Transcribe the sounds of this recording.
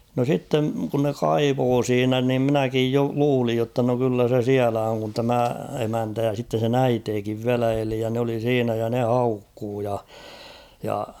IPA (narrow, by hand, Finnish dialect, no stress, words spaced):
no sitːeŋ kun ne kɑiʋoː siːnæ nim mĭnækij jo luːlij jotːɑ no kylːæ se siælæ oŋ kun tæmæ emæntæ jɑ sitːen̞ sen æiteːkiʋ ʋiælæ eli jɑ n oli siːnæ jɑ ne hɑukːuː jɑ jɑ